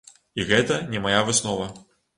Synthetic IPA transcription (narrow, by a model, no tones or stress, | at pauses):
iɣɛt̪ɐnʲɛmajavɨsnɔvɐ